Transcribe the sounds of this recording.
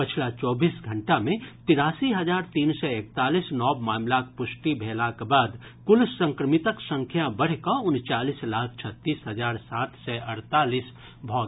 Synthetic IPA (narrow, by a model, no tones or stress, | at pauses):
pət͡ʃʰlat͡ʃɔːbiːsɡʱəɳʈamẽt̪ɪɾaːsiɦəd͡ʒaːɾt̪iːnsɛek̚t̪aːlisnɔːbmaːmlakpʊsʈibʱeːlakebaːd̪ | kʊlsə̃ŋkɾəmit̪əksə̃ŋkʰjabəɽ̤kɔʊnt͡ʃaːlislaːkʰt͡ʃʰət̪ːiːsɦəd͡ʒaːɾsaːt̪sɛʔəɾt̪aːliːs | bʱɔɡ̪